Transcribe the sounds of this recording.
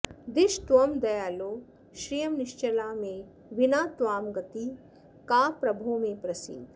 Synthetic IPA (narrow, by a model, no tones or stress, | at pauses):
d̪iʃt̪ʋɐmd̪ɐjaːloː | ʃɾijɐmniʃt͡ʃɐlaːmẽ | ʋinaːt̪ʋaːmɡɐt̪i | kaːpɾɐbʱoːmẽːpɾɐsḭd̪ʱ